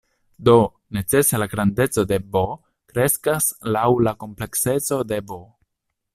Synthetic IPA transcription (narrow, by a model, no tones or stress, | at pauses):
d̪o̞ | ne̞t͡se̞selaɡɾande̞t͡so̞de̞bo | kɾe̞skaslawlako̞mple̞kse̞t͡so̞de̞bo